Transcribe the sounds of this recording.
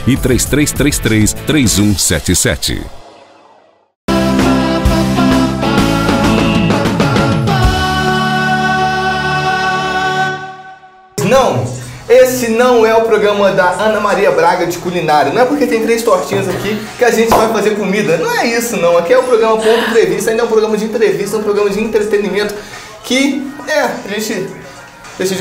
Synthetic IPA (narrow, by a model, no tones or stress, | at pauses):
ɪt̪ɾejst̪ɾejst̪ɾest̪ɾest̪ɾejzũsɛ̰t͡ʃɪsɛ̰t͡ʃɪ̰ | znɐ̃w̃esɪnɐ̃w̃ɛʊpɾoɡɾɐ̃mɐd̪ɐɐ̃nɐmaɾiɐbɾaɡɐd͡ʒɪkulinaɾjʊnɐ̃w̃ɛpoɾket̪ẽj̃t̪ɾejst̪ɔɾt͡ʃĩɲɐzakikɪaʒẽnt͡ʃɪvajfazeɾkomid̪ɐnɐ̃w̃ɛisʊnɐ̃w̃akiɛʊpɾoɡɾɐ̃mɐpõt̪ʊĩt̪ɾevist̪ɐaĩd̪ɛũpɾoɡɐ̃mɐd͡ʒɪĩnt̪ɾevist̪ɐɛũpɾoɡɾɐ̃mɐd͡ʒɪĩnt̪ɾet̪ẽnimẽnt̪ʊ̥ | kɪɛaʒẽnt͡ʃɪ | d̪eʃɐd͡ʒ